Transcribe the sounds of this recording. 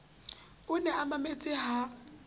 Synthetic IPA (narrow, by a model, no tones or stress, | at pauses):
ʊnɛamamet͡sʼɪɦa